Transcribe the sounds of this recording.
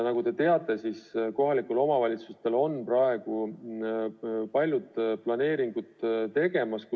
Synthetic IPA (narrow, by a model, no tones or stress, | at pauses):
nɑɡut̪e̞t̪e̞ɑt̪ːˑe̞sisko̞ɦɑlikulo̞mɑvɑlʲit̪sust̪e̞lo̞nːprɑe̞ɡ̥u | pɑlʲjud̪plɑne̞ːɾiŋɡ̥ud̪t̪e̞ɡ̥e̞mɑsk